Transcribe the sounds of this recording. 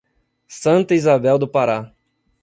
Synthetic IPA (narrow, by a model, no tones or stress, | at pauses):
sɐ̃nt̪ɐizabɛwd̪ʊpaɾa